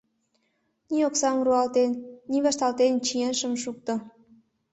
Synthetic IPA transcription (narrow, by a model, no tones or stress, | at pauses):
nʲioksɑmruɑlt̪enːʲiβɑʃt̪ɑlt̪ent͡ɕienʃə̆mʃuk̚t̪ŏ